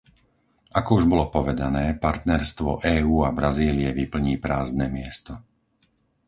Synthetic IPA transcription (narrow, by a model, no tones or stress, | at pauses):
akɔuʒbɔlɔpɔʋɛd̪anɛːpaɾt̪nɛɾst̪ʋɔ̰ʔɛːuːabɾaziːliɛʋipl̩ɲiːpɾaːznɛːmɪɛst̪ɔ